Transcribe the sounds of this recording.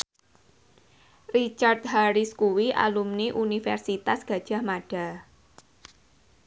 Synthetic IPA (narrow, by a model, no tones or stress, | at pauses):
rit͡ʃart̪̚ɦaɾiskuwiʔa̰lumniʔunifɛ̰rsit̪asɡ̥ä̤d̥ʒ̥a̤hmaɖ̥a̤